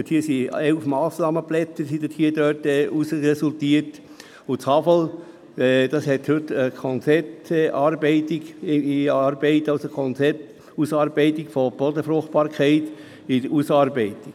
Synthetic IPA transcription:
thiːsiɛlfmɑːsnɑːməblɛt͡səɾsidəthiːədøtɛːʔusɛsʊltiəɾt | ʊt͡shɑfəl | ɛd̥ɑshɛthɵtəkʰɔnt͡sɛtːʔɑːɾbɛɪtɪɡiɑːɾbɛɪtɑlsokʰɔnt͡sɛt | usɑːɾbɛɪtɪkfɔb̥ɔdəfɾʊχt̚b̥ɑːɾkʰæɪt | idəusɑːɾbɛɪti̥

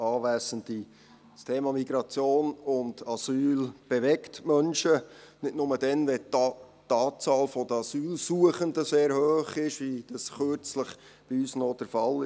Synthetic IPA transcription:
ɑːʋæːzəndi | stʰeːmɑmiɡɾɑt͡sjoːnʊndɑsyːlb̥ɛʋɛktmœnʃənɪtnʊməd̥ɛnʋɛ | t̪ɑːt͡sɑːlfɔd̥̪əɑsyːlsuəχəndəseːɾhøːχɪʃʋid̥ɑsχøɾt͡sləχ | b̥iyːsnɔd̥əɾfɑlɪ

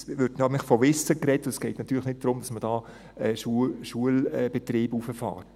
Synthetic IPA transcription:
ʋʏɾdnɑmɪχfɔʋɪsːəkrɛtːʊəsɡ̥ɛɪtnɑt̪ːyːɾləχnɪt̚d̥ɾʊmdɑsməd̥ɑː | ɛːʃuʃuəlɛːb̥ɛt̪ɾiːbufəfɑ̰ːt

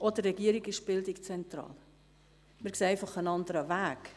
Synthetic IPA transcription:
ʔɔdərɛɡiəɾiɡɪʃb̥ɪldɪkt͡sɛntɾɑ̰ːl | mɪɾkseːɛɪfɑχənɑndəɾəvæːk

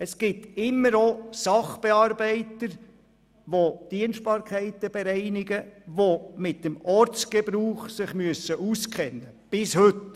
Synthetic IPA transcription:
əsɡ̥ɪtɪmːəɾosɑχb̥ɛɑːɾbɛɪt̪əɾ | ʋod̥iənʃt̚bɑːɾkʰɛɪtəb̥ɛɾɛɪnɪɡəʋomɪt̚ːəmɔɾt͡sɡ̥ɛbɾuːχsɪχmyəsəʔuskʰχɛnːə | b̥ɪshʏt

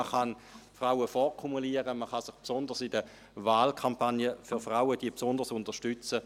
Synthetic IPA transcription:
əχɑn | fʁaʊəfɔʁkʰumuliəʁəməχɑsɪχpsʊndəʁsidə | vaːlkʰampanjəfyʁfʁawədiːəpsʊndəʁsʊndəʁʃtʏt͡sə

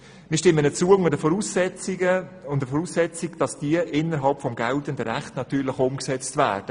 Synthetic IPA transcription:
mɪːʃtɪmːənət͡suəʊŋədəfɔɾusɛəʊndəfɔɾusɛt͡sɪkd̥ɑsd̥iəʔɪnːəɾɦɑlpfɔmɡɛltəndəɾɛχtnɑt̪yːɾlɪχʊmksɛt͡stvæ̰ːɾd̥ə

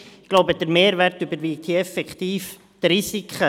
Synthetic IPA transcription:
ɡ̥loʊbəd̥̪əɾmeːɾvɛɾtybəɾviːk̚t̪iɛfɛkt̪iːf | d̥ɾisikχə

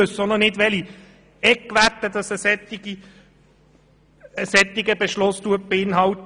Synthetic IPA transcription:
øssɔndənɪdʋɛli | ɛkːʋæt̪ːəd̥̪ɑsəsɛt̪iɡi | əsɛt̪ːɪɡəbeʃlʊst̪uət̚b̥eɪnɦɑlt̪

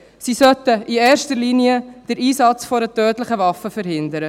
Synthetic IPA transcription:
sisœtəʔieːɾʃtəliniəd̥əɾiːsɑt͡sfɔɾətøːtləχəvɑfəfəɾɦɪndəɾə

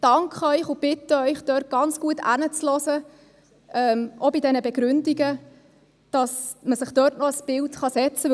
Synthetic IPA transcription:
d̥ɑŋkχəœʏχʊb̥ɪtəœʏχd̥œːrt̚ɡ̥ɑnt͡sɡ̥uətæ̰nət͡slɔzə | ɛːmʔobidɛnəbɛɡ̥ɾʏndiɡə | d̥ɑsməsɪχd̥œːrtnɔəsb̥ɪltχɑsɛt͡sə

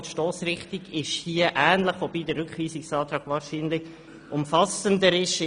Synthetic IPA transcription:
tʃtoːsrɪχtiɡɪʃhiəʔæːnləχʋobiːdərɾʏkχʋiːsɪksɑːt̪ɾɑːɡ̥ʋɑːɾʃiːnlɪç | ʔʊmfɑsəndəɾɪʃ

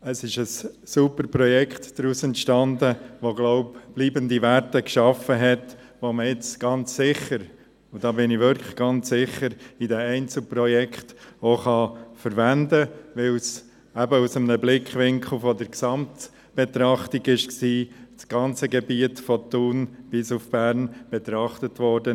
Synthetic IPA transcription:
əsɪʃəsːupəɾprɔjɛkχtd̥ɾuːsɛntʃtɑndəʋoɡlɔʊpb̥liːbəndiʋæɾtəkʃɑfəɦɛt | ʋoməɪt͡sɡ̥ɑnt͡ssɪχəɾ | ʊd̥ɑːbɪniʋʏɾkʰlə̥ɡ̥ɑnt͡ssɪχəɾidɛɛɪnt͡sl̩prɔjɛkʰχtoχɑfəɾvændəʋɪls | æbəusəmənəblɪkχʋɪŋkχl̩ˠfɔdəɾksɑmt | b̥ɛt̪ɾɑχtiɡɪʃksiːsɡ̥ɑnt͡səɡɛbiətfɔt̪unb̥ɪsufb̥æɾnb̥ɛt̪ɾɑχtətʋɔɾdə

